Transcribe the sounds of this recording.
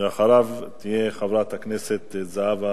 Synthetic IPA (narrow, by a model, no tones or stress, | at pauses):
eaχaɾavt̪ijeχavɾat̪hakneset̪zaava